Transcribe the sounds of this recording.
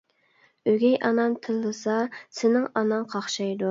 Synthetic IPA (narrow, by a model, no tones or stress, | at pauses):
øɡʲɛjʔɑnɑnt̪ʰɨlˠːɨsɑsɪnɪŋɑnɑŋqʰɑχʃɑjd̪u